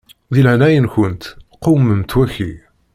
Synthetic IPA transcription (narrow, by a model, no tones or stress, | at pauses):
ðilʕnæjənçənt̪qːowməmt̪wæçi